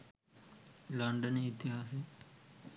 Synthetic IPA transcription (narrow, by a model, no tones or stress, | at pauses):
lɐɳɖəneɪt̪ɪɦaːseː